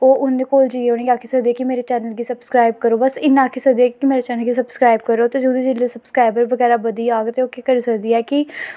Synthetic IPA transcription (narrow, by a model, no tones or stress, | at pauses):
oːʔʊnːẽkoːld͡ʒiːeoːɽ̃eːɡaːkʰeːsəkd̪iːɛːkɪmeːɾet͡ʃɛːnəlɡiːsəbskɾaːɪb̚kəɾoːbəsɪnːãːkʰeːsək̚d̪iːɛːkkimeːɾet͡ʃɛːnəlɡiːsəbskɾaːib̚kəɾoːt̪ed͡ʒud̪uːd͡ʒɪlesəbskɾaːɪbəɾbəɡɛːɾaːbəd̪iːaːɡt̪eoːkekəɾiːsəkd̪iːɛːkɪ